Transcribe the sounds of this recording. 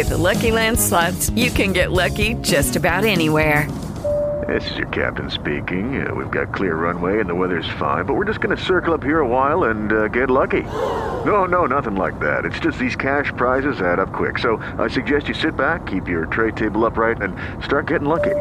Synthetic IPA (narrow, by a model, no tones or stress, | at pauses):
ɨðəlʌkilæ̃nd̥slɑfsjɨkɨ̃nɡɛʔˡlʌkid͡ʒʌstɨbaʊɾɛniwɛɹ | ðɪ̰sɨzjə̰˞kʰæ̰p̚tɨ̃nspḭkɪ̃ŋ̰wḭvɡɑ̰t̚kʰl̥ɪɹːʌ̃nweɪɨ̃nðəwɛðə˞z̥fã̰ɪ̃nbʌt̚wɨɹd͡ʒʌsɡ̥ʌnɨsɜ˞kl̩ˠʌphiɹəwaɪlˠə̃nɡɛtˡlʌkinoʊnoʊnʌθɪ̃ŋlaɪk̚ðæ̰ɾɨtsd̥ʒ̥ʌst̪̚ðiz̥kʰæʃpʰɹ̥aɪzɨzɨɾʌp̚kʰw̥ɪ̰ksoʊ | ʔa̰ɪsɨɡ̚d͡ʒɛst͡ʃɨsɪt̚b̥ækʰːipjə˞tʰɹ̥eɪd̚tʰeɪbl̩ˠʌpɹaɪɾɨ̃n | stɑɹt̚ɡ̥ɛɾɪ̃ŋlʌki